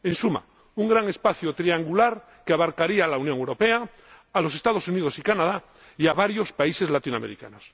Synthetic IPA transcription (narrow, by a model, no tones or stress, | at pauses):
ẽ̞nsuma̰ | uŋɡɾaŋe̞spaθjot̪ɾiaŋɡulaɾ | keaβaɾkaɾialaunjoŋewɾo̞peaː | lo̞se̞st̪að̞o̞sunið̞o̞sikanað̞a | iaβaɾjo̞spaise̞zlat̪inwa̰meɾika̰nos